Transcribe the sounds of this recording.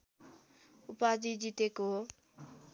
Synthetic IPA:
upad͡zid͡ʒit̪eko

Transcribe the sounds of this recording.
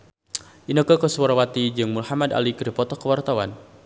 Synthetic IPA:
ʔinəkəkəswaɾawat̪id͡ʒɨŋmulhamada̰likədipɔt̪ɔkəwart̪awan

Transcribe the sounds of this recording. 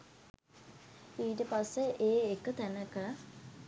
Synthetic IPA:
iːʈəpasːeʔeːekːət̪ænəkə

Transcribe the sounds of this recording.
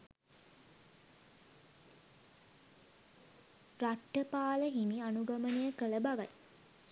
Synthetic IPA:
raʈːəpaːləɦimianuɡamənejəkələbaɡat

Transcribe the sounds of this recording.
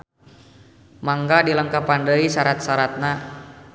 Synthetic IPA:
maŋɡadiləŋkapandəisaɾat̪̚saɾat̪̚na

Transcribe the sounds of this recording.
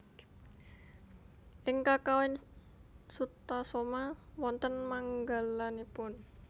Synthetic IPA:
ʔɪŋkakawɪn | sut̪asomawɔnt̪ənmaŋɡalanipʊn

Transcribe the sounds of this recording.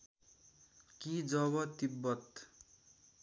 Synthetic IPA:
kid͡zʌβʌt̪ibːʌt̪

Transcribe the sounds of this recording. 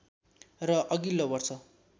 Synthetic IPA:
rʌʔʌɡilːobʌrt͡sʰʌ

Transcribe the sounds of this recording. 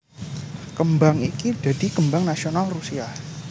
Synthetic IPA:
kəmbaŋikid̥adikəmbaŋnasionalrusiah

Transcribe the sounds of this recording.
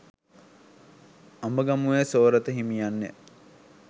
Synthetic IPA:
ambəɡamuʋesoːɾət̪əɦimijanːḛ

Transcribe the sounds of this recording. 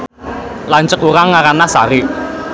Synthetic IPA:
laɲt͡ʃəkuɾaŋːaɾanasaɾi

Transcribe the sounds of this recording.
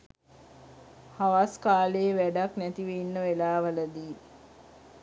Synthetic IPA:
haʋaskaːleːʋæɖaknæt̪iʋeinːəʋelaːʋələd̪iː

